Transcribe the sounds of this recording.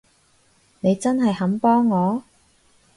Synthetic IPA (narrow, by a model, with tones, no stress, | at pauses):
ne˨˧jt͡sɐ˥nɦɐ˨jhɐ˨˥mpɔː˥ŋːɔː˨˧